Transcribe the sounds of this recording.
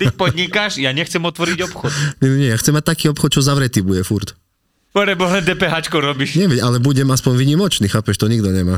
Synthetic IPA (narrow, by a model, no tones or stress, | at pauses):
t̪ipɔd̪ɲikaʃjaɲɛxt͡sɛmɔt̪ʋɔɾiɟɔpxɔt̪ɲɛnɛɲɛjaxt͡sɛmːac̚t̪akiːɔpxɔt̪̚t͡ʃɔzaʋɾɛt̪iːbujɛfuɾt̪ | pɔɾɛbɔɦlɛnd̪ɛːpɛɦaːt͡ʃkɔʊɾɔbiʃɲɛʋicalɛbuɟɛmaspɔɲʋiɲimɔt͡ʃniːxaːpɛʃt̪ɔɲiɡd̪ɔɲɛmaː